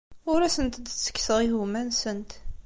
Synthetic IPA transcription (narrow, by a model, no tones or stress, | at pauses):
ʊɾæsənt̪d̪t͡sːə̥kːsəʁiɦumænsənt̪